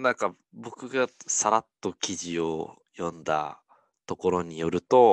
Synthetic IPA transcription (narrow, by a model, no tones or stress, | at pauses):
nãŋka | bo̞kɯ̟ɡasaɾat̪ːo̞kʲiʑio̞ | jõ̞nd̪a̰ | t̪o̞ko̞ɾo̞ɲ̟ijo̞ɾɯ̟t̪o̞